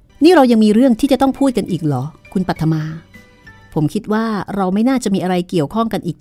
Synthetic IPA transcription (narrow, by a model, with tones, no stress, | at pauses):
niː˥˩ɾa˧wja˧ŋmiː˧ɾɯ˥˩əŋt̪ʰiː˥˩t͡ɕa˨˩t̪ɔ˥˩ŋpʰuː˥˩t̪̚ka˧nʔiː˨˩k̚lɔː˩˦kʰu˧npa˨˩t̪ʰːa˧maː˧ | pʰo˩˦mkʰi˦˥t̪̚waː˥˩ɾa˧wma˥˩jnaː˥˩t͡ɕa˨˩ʔmiː˧ʔa˧ɾa˧jki˨˩əwkʰɔ˥˩ŋka˧nʔiː˨˩k̚